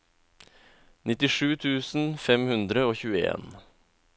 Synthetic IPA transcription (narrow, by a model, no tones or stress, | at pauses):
nɪt̪ɪʂʉːt̪ʰʉːsn̩fɛmhʉnd̪ɾəoːçʉːəḛːn